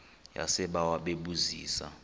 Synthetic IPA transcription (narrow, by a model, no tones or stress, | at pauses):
ja̰sɛɓawaɓeɓuziːsa̰